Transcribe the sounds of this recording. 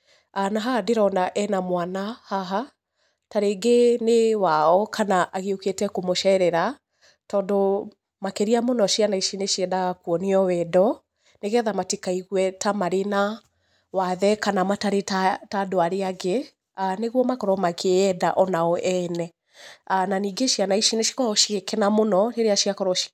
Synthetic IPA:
anaɦadeɾɔnaʔɛnamwanahaɦa | taɾeɡenewaɔkʰanaʔaɣeoketɛkomoʃɛɾɛɾa | tɔːndo | makeɾiamonɔʃianaiʃineʃiɛdakuɔniɔwɛdɔ | neɣɛðamatikaiɣwɛtamaɾena | waðɛkanamataɾetatadoaɾeaɡe | aneɣwɔmakɔɾɔmakʰeɛðaʔɔnaɔʔɛnɛ | ananiːɡeʃianaiʃineʃi̥kɔɔʃiɣekɛnamonɔɾeɾeaʃiakɔɾɔʃ

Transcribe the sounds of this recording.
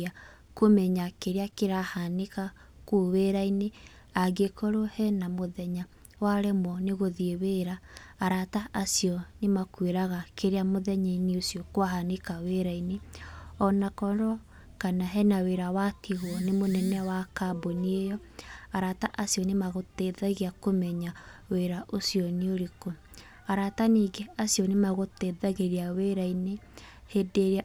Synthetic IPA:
a | komɛɲakeɾeakeɾahaneka | kuweɾaine | aɡekoɾohɛnamoðɛɲa | waɾɛmwɔneɣoðieweɾaːɾataʔasiɔnemakweɾaɣakeɾeamoðɛɲaineosiɔkwaɦanekaweɾaineɔnakɔɾɔ | kanaɦɛnaweɾawatʰiɣwɔnemonɛnɛwakaboniejɔaɾataʔasiɔnemaɣoteðaɣiakomɛɲaweɾaʔosiɔneoɾeko | aɾataniːɡeasiɔnemaɣoteðaɣeɾiaweɾaine | hedeɾia

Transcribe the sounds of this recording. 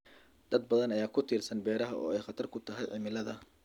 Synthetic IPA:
d̪̥ɐd̪̚bɐðɐnɐjaːkʰʊt̪ʰiːrsɐnbɛːɾɐɦɐʔɔ̰ːɛjχɐt̪ʰɐrkʰʊt̪ʰɐɦɛjʕɪmɪlɐðɐ

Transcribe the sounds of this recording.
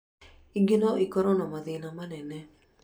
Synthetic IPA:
iɡinɔʔikɔɾɔnamaðinamanɛnɛ

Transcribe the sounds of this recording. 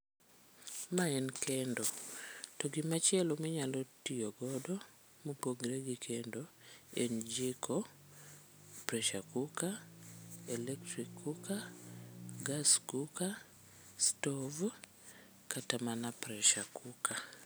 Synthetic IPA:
maɛnkɛndotɔɡɪmat͡ʃɪɛlɔmɪɲalɔtioɡɔdɔ | mopoɡɾeɡikʰendoend͡ʒikʰɔ | pɾɛʃakuka | ɛlɛktɾikʰːuka | ɡaskuka | stɔv | katamanapɾɛʃakukʰa

